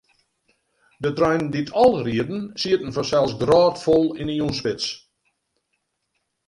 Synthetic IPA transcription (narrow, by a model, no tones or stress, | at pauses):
dətrœjnditʰɔlˠriədn̩siətn̩fɔsɛlˠsɡrɔːtfolˠiniunspɪt͡s